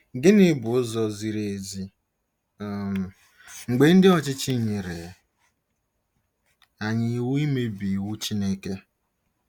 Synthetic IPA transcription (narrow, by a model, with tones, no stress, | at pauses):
ɡɪ˦nɪ˦bʊ˨ʊ˦zɔ˦zi˦ɾe˨zi˦˨ | m̩˨ | ŋ͡m̩˨ɡ͡be˨˦n̩˦dɪ˦ɔ˨t͡ʃɪ˦t͡ʃɪ˦˨ɲɪ˨ɾe˨ | a˨ɲɪ˨i˨wu˦i˦me˦bi˨wu˦t͡ʃi˦ne˦ke˦